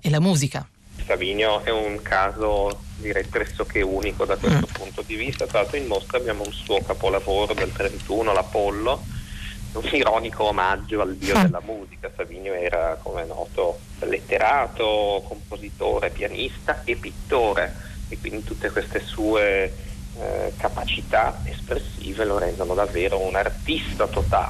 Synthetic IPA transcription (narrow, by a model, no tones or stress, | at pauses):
elamuːzika | saviːnjoʔɛuŋkʰaːzod̪iɾɛjpɾɛsːokʰeuːnikod̪akwest̪opunt̪od̪ivist̪at̪ɾaat̪ːoimmost̪abːjaːmounsuːokapolavoːɾod̪elt̪ɾent̪uːnolapolːo | uniɾɔːnikʰoːmad͡ʒːoalb̪iːod̪elːamuːzikasaviːnjoɛːɾa̰kʰomenɔ̰ːt̪o | lːḛt̪ːeɾaːt̪okompozit̪o̰ːɾepjanist̪aepːit̪ːoːɾʔeekːwind̪it̪ut̪ːekwest̪esuːe | kapat͡ʃit̪aespɾesːḭːveloɾɛnd̪onod̪avːeːɾounart̪ist̪at̪ot̪a̰